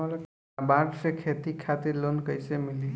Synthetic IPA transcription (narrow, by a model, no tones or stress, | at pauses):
ɔl | baɡsekʰet̪ikʰat̪iɾlonkəjsemili